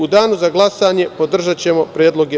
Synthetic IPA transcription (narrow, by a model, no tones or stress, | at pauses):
ud̪aːnuzaɡlˠasaːɲe̞po̞d̪r̩ʒat͡ɕe̞mo̞pɾʲjeːd̪lˠo̞ɡe